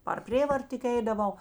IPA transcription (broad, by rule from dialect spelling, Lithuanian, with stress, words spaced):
pɐr ˈpʲrʲeːʋɐrt tʲɪk ˈɛɪdɐˌʋɐʊ